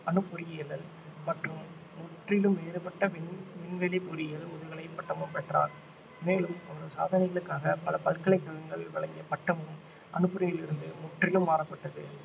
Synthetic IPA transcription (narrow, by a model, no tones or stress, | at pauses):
ɐnɯpːɔɾɪjɪjɐlɐl | mɐʈrɯmː | ʊʈrɪlɯmʋeːɾɯpɐʈːɐʋɪnʋɪnʋɛlipʊɾɪjɐlʊðɐɣɐɭɐɪpːɐʈːɐmɯmpɛʈra̰ːn | meːlɯmɐʋɐɾɐsa̰ːðɐnɐɪɣɐɭɯkːaːɣɐpɐlɐpɐlkɐɭɐɪkːɐɭɐŋɡɐɭʋɐɭɐŋɡɪɐpɐʈːɐmɯm | ʔɐnɯpːɯɾɪjɪlɪɾɯnd̪ɯmʊʈrɪlɯmːaːɾɐpːɐʈːɐðɯ̰